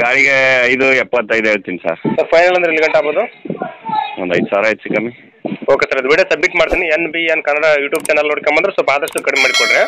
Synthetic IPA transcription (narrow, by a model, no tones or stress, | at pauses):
ɡaːɭiɡeɐjd̪uɛpːɐt̪ːɐjd̪ɦeːɭt̪insa̰ːɾsɐɾpʰɐjnɐlɐnd̪ɾeilɡɐɳʈaːboːd̪u | ond̪ɐjd̪saːɾɐɦeːsikɐmi | o̞ːkesaːɾɐd̪ubiɽijosɐbmiʈmaːɖt̪inienːbienkɐnɐɽɐjuːʈjuːb̚t͡ʃɐːnɐlnoɽkɐmbɐnd̪ɾesɔlpaːd̪ɐʂʈukɐɽemaːɽikoɽɾe